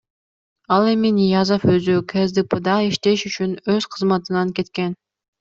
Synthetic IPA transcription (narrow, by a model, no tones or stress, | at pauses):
ɑlˠe̞minijazoføzykʰezd̪ɨpɯd̪ɑiʃt̪e̞ʃyt͡ʃynøz̥qʰɯzmɑt̪ɯnɑŋke̞t̪ke̞n